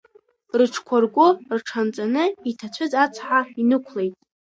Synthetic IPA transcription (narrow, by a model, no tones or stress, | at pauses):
rɨʈ͡ʂʰkʷʰarɡʷʊrʈ͡ʂʰant͡sʼanɨitʰat͡ɕʷʰʊzat͡sʰħainɨkʷʰle̞jtʼ